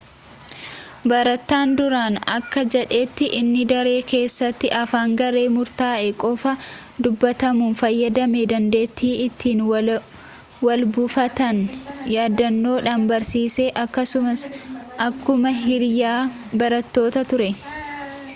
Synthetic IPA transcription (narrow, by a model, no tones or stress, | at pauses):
bɐɾɐt̪ːaːnd̪ʊɾaːnɐ̰kːɐd͡ʒɛᶑe̞ːt̪ːɪʔɪnːɪd̪ɐɾe̞ːke̞ːsːɐt̪ːɪʔɐfaːŋɡɐɾe̞ːmʊɾt̪aːʔɛkʼɔfɐ | d̪ʊbːɐt̪ɐmuːnfɐjːɐd̪ɐmed̪ɐnd̪e̞ːt̪ːiːɪt̪ːiːn | wɐlbʊfɐt̪ɐnjaːd̪ɐnːo̞ːᶑɐnbɐɾsiːse̞ːʔɐkːɐsʊmɐsʔɐkːʊmɐɦɪɾjaː | bɐɾɐt̪ːo̞ːt̪ɐt̪ʊɾɛ